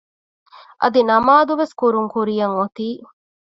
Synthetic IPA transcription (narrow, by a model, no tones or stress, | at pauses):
ʔɐ̰d̪inɐmaːd̪uʋeskuɾuŋkuɾijɐŋot̪iː